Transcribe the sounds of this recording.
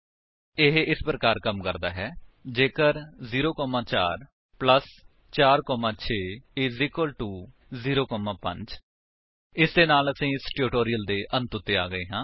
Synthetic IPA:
ɪɦɪspɾəkaːɾkəmkəɾd̪a̰ːɦɛːd͡ʒeːkəɾziːɾoːkɔːmãːt͡ʃa̰ːɾ | pləs | t͡ʃaːɾkɔːmãːt͡ʃʰeːeziːkəlʈuː | ziːɾoːkɔːmãːpə̰̃ɲd͡ʒ | ɪsd̪eːnaːləsĩːɪsʈjoːʈoːɾɪjəld̪eːʔə̃nt̪ʊt̪ːeːa̰ːɡəeːɦãː

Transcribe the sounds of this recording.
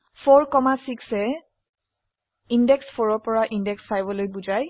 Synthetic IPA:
pʰɔɹkɔmasiksɛ | indɛkspʰɔɹɔpɔɹaʔindɛksfajbɔlojbuzaj

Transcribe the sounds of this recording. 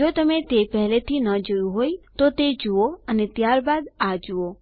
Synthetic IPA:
ot̪əmet̪epɛɦlet̪ʰinəd͡ʒuũɦoit̪ot̪ed͡ʒuoənet̪jaɾbad̪ad͡ʒuo

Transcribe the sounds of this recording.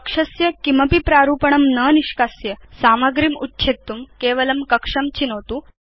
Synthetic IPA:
kʂɐsjɐkimɐpipɾaɾuːpəɳəmnəniʃkasjəsaːmɐɡɾimutːɕʰet̪ːumkeːʋɐlɐmkɐkʂɐmt͡ɕinəʋt̪uː

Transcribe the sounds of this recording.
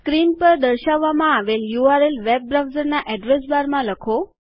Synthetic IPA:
skɾinpəɾd̪əɾʃaʋːamãaʋeljuaɾelʋeb̚ːɾawzəɾnaʔɛɖɾesbaɾmãləkʰo

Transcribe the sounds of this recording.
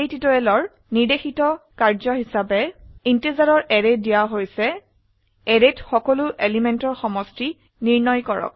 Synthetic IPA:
ejtitɔɛlɔɹ | niɹdexitɔkaɹzɔɦisabɛintezaɹɔɹʔɛɹedijaɦojsɛ | ɛɹetxɔkɔlʊʔelimɛntɔɹxɔmɔsti | niɹnɔjkɔɹɔ̰k̚

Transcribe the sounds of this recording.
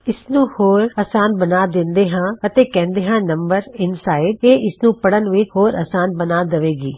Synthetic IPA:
ɪsnũːhoːɾəːsaːnbənaːd̪ɪ̃nd̪eːɦãːət̪eːkɛ̃ːnd̪eːɦãːnəmbəɾɪnsaːɪɖ̚eːʔɪsnũːpəɽənʋɪt͡ʃhoːɾə̰ːsaːnbənaːd̪əʋeːɡiː

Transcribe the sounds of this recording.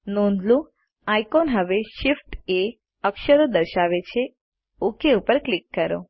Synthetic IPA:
nõnd̪lũ | ajkonɦəʋeʃifʈe | əkʃəɾod̪əɾʃaʋet͡ʃʰe | ukeupəɾklɪkːəɾo̰

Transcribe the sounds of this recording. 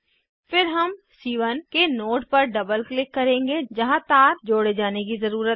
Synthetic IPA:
fɪɾɦɐmsiːʋənkenoːʈ̚pɐɾɖɐbəlklɪkːɐɾẽːŋɡed͡ʒɐɦãt̪aːɾd͡ʒoːɽed͡ʒaːnekizɐɾuːɾət̪̚

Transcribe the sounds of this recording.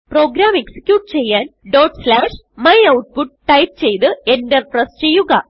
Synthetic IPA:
pro̞ːɡɾaːme̞ksi̥kʲːjuːʈːɨt͡ɕe̞jːaːnɖo̞ːʈslaːʂ | mɐjɐwʈ̚puʈ̚ʈɐjp̚t͡ɕe̞jt̪ɨe̞ndɐrprɐst͡ɕe̞jːuɣɐ

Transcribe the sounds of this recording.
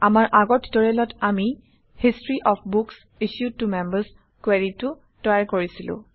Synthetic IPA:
amaɹʔaɡɔtdɔɹɛlɔtʰami | histɹiʔɔpʰbuks | isud̚tumɛmbəs | kweɹitʊ | tɔjaɹkoɹisilʊ̰̃

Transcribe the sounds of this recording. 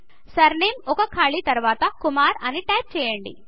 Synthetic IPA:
sɐɾnimɔkɐkʰaːɭit̪ɐɾʋaːt̪ɐkumaːɾɐniʈɐjp̚t͡ʃɛːjɐɳɖḭ

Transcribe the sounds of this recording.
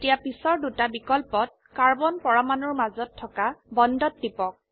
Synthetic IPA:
tijapisɔɹdutabikɔlpɔt̚ | kaɹbɔnpɔɹamanɔɹmazɔtʰːɔkabɔndɔtdipɔk̚

